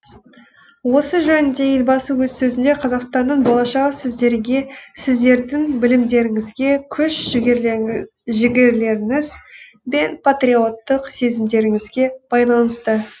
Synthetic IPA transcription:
wo̞səʒɵnɪnd̪e̞je̞lʲbɑsəwɵzsɵzɪnd̪e̞qʰɑzɑqst̪ɑnːəɴbolˠɑʃɑʁəsɪzd̪e̞ɾɡʲe̞sɪzd̪e̞ɾd̪ɪŋbɪlɪmd̪e̞ɾɪŋɪzɡʲe̞kʲʰʏʃ | ʒɪɡʲe̞ɾle̞ɾɪŋɪz | be̞npʰat̪ɾio̞t̪ːəqse̞zɪmd̪e̞ɾɪŋɪzɡʲe̞b̥ɑjlˠɑnəst̪ə

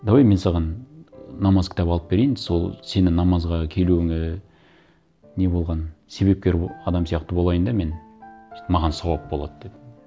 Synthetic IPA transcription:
d̪ɑwjme̞nsɑʁɑnː | ɑmɑzkʲʰɪ̥t̪ɑpɑlˠəp̚be̞ɾe̞jɪnsolˠse̞nɪnɑmɑzʁɑkʲʰe̞luɪŋɪ | ne̞bo̞lˠʁɑnse̞βe̞p̚kʲe̞ɾɑd̪ɑmsijɑqt̪əbo̞lˠɑjənd̪ɑme̞n | mɑʁɑnsɑwɑp̚bolˠɑ̰d̪əd̪e̞d̪ɪm

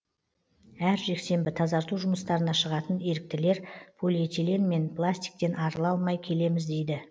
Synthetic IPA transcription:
æɾʒe̞kse̞mbɪt̪ʰɑzɑɾt̪uʒʊməst̪ɑɾənɑʃəʁɑt̪əne̞ɾɪk̚t̪ɪle̞ɾpʰolʲit̪ilenme̞npʰlˠasʲt̪i̥jk̚t̪e̞nʔɑɾəlˠɑlˠmɑjkʲʰe̞le̞mɪzd̪e̞jd̪ɪ

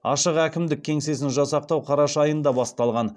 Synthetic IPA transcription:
ɑ̰ʃəqækʲɪmd̪ɪk̚ʲʰːe̞ŋse̞s̬ɪnʒɑsɑq̚t̪ɑwqʰɑɾɑʃɑjənd̪ɑbɑst̪ɑlˠʁɑn

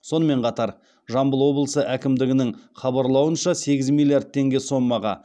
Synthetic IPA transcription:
so̞nəme̞ɴqʰɑt̪ɑɾ | ʒɑmbəlˠwo̞blˠəsəʔækʲɪmd̪ɪɡʲɪnɪŋχɑbɑɾlˠɑwənʃɑse̞ɡʲɪzmʲilʲˠijard̪̚t̪ʰe̞ŋɡʲe̞so̞mːɑʁɑ

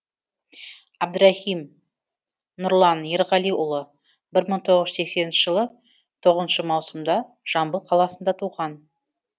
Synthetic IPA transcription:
ɑb̚d̪ʊɾɑhim | nʊɾlˠɑnjeɾʁɑlˠijʔʊlˠə | bɪɾməɴt̪ʰo̞ʁəʒə̥se̞kse̞nɪnʃɪʒəlˠə | t̪ʰo̞ʁəzənʃəmɑwsəmd̪ɑ | ʒ̥ɑmbəlˠqʰɑlˠɑsənd̪ɑt̪ʰuʁɑn

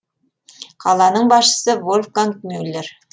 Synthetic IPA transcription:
qʰɑlˠɑnəɴbɑsʃə̥səvolʲfkanknulʲːeɾ

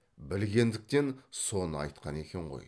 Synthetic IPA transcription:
bɪlɡʲe̞nd̪ɪk̚t̪e̞nso̞nəɑ̰jt̪̚qʰɑne̞kʲe̞ɴʁo̞̰j

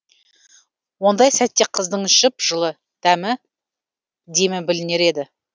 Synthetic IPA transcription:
wo̞nd̪ɑjsæt̪ːe̞qʰəzd̪əɴɪʃɪpʒəlˠə | t̪ʰæmɪ | d̪e̞mɪbɪlɪne̞ɾe̞d̪ɪ

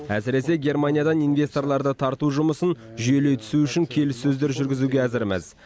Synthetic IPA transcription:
æ̰sɪɾe̞se̞ɡʲe̞rmanʲijad̪ɑnijnvʲe̞st̪o̞rlˠɑɾd̪ət̪ʰɑɾt̪uʒʊməsən | ʒʏje̞le̞jt̪ʰʏ̥suʏʃɪŋkʲʰe̞lɪsːɵzd̪e̞ɾʒʏɾɡʲɪzuɡʲe̞æzɪɾmæ̰z

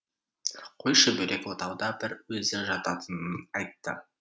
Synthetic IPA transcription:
qʰojʃəbɵɾe̞kwo̞t̪ɑwd̪ɑbɪɾwɵzɪʒɑt̪ɑt̪ʰənənɑjt̪ːə̰

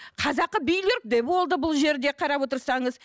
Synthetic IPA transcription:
qʰɑzɑqːəbijleɾk̚d̪epwo̞lˠd̪əbʊlˠʒe̞ɾd̪e̞qʰɑɾɑpwo̞t̪əɾsɑɴəz

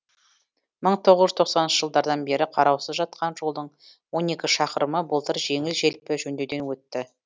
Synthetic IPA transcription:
məɴt̪ʰo̞ʁəzʒʏzt̪ʰoqsɑnənʃəʒəlˠd̪ɑɾd̪ɑnbe̞ɾɪqʰɑɾɑwsəzʒɑt̪̚qʰɑnʒo̞lˠd̪əɴ | wo̞ne̞kʲɪʃɑqəɾəməbəlˠt̪əɾʒe̞ŋɪlʒe̞lpɪʒɵnd̪ed̪e̞nwɵt̪ːɪ

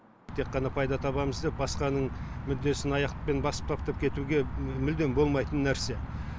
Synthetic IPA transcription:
t̪ʰe̞qːɑnɑpʰɑjd̪ɑt̪ʰɑβɑməzd̪e̞p̚bɑsqɑnəɴmʏd̪ːe̞sɪnɑjɑqt̪ə̥pe̞nbɑsə̥p̚t̪ʰɑpt̪ɑp̚kʲʰe̞t̪uɡʲemʏld̪e̞mbo̞lˠmɑjt̪ənːæɾse̞

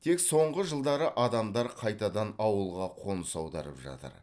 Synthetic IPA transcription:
t̪ʰe̞kso̞ɴʁəʒəlˠd̪ɑɾəʔɑd̪ɑmd̪ɑɾqʰɑjt̪ɑd̪ɑnɑwəlˠʁɑqʰo̞nəsɑwd̪ɑ̰ɾə̰pʒɑ̰t̪ə̰ɾ

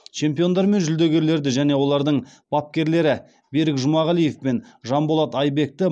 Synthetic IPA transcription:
t͡ʃʰe̞mpijo̞nd̪ɑɾme̞nʒʏld̪e̞ɡʲe̞ɾle̞ɾd̪ɪʒæne̞wo̞lˠɑɾd̪əɴb̥ɑp̚kʲe̞ɾle̞ɾɪ | be̞ɾɪkʒʊmɑʁɑlˠije̞fpe̞nʒɑmbo̞lˠɑt̪ɑjbe̞k̚t̪ɪ

